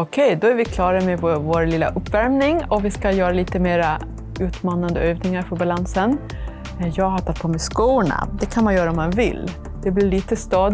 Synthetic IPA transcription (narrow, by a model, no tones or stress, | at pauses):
ɔkʰɛjd̪ɔæɾvɪkʰlɑːɾamɛvvoːɾlɪlːa̰ʔɵpːvæɾmnɪŋɔvɪskajœːɾaliːt̪əmeːɾa | ʉ̟ːt̪mɑːnand̪əøːvnɪŋaɾfœɾbalansən | jɑːɡɦat̪ʰat̪̚pʰoːmɛskuːɳa̰d̪ɛkʰanmanjœːɾaɔmːanvɪ̰lː | d̪̥ɛblɪɭiːt̪əst̪ɑːd̪